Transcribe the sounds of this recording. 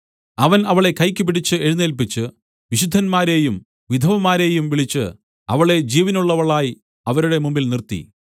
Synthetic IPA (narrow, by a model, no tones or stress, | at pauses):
ɐʋɐnɐʋɐɭe̞kɐjkʲːɨp̬iɽit͡ɕːɨe̞ɻunːelpit͡ɕːɨ | ʋiɕud̪ʱːɐnmaːɾe̞ːjum | ʋid̪ʱɐʋɐmːaːɾe̞ːjumʋiɭit͡ɕːɨ̰ | ɐ̰ʋɐɭe̞d͡ʑiːʋinuɭːɐʋɐɭaːji | ɐʋɐɾuɽe̞mumbilnirt̪ḭ